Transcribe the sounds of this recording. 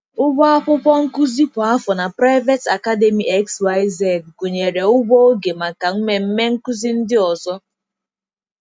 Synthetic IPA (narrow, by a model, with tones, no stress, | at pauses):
ʊ˦bɔ˦a˦ɸʊ˦pɔ˦ŋ̩˦ku˦zi˦pʊ˨a˦fɔ˨na˨pɾa˦ɪ˦ve˦ta˨ka˦de˦mi˨ʔe˦kswa˦ɪ˦ze˦˨d̚ɡu˨ɲe˨ɾe˨ʊ˦ɡ͡bɔ˦o˦ɡe˨ma˨ka˨ŋ̩˦me˨m̩˦me˦ŋ̩˦ku˦zi˦n̩˦dɪ˦ɔ˨sɔ˦